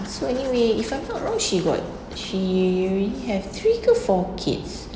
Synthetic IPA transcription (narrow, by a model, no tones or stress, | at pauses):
soɛniweifãjmnɔtɹɔ̃ŋʃiɡɔ̰t̚ | ʃiɹilihɛvt̪ʰɹikɔfɔkʰḭts